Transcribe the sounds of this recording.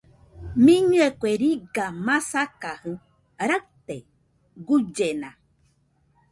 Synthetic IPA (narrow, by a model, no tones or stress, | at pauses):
mĩɲũekʷeɾiɡamãsakahɨ̃ | ɾat̪e | ɡud͡ʒenã